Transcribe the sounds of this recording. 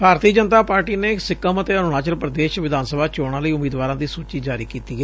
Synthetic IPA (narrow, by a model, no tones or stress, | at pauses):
bʱaːɾt̪iːəd͡ʒənt̪aːpaːɾʈiːneːsɪkəmət̪eːənʊnaːt͡ʃəlpɾəd̪eːʃʋɪd̪ʱaːnsəbʱaːt͡ʃoːɽ̃ãːləiːʊmiːd̪ʋaːɾãːd̪iːsuːt͡ʃiːd͡ʒaːɾiːkiːt̪iːɛː